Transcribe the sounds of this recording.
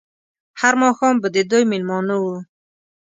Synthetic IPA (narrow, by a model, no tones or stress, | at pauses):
haɾmɔxɔmbəd̪id̪ojmilmɔnuu